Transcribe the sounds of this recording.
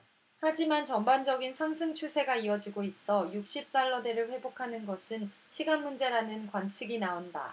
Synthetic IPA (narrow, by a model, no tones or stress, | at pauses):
had͡ʑimant͡ɕʌmband͡ʑʌɡinsʰaŋsʰɯŋt͡ɕʰusʰe̞ɡaiʌd͡ʑiɡois͈ʌjuk̚ɕ͈ip̚t͈aɭːʌde̞ɾɯɭɸwe̞bokʰanɯnɡʌsʰɯn | ɕʰiɡanmund͡ʑe̞ɾanɯnkwant͡ɕʰiɡinaonda̰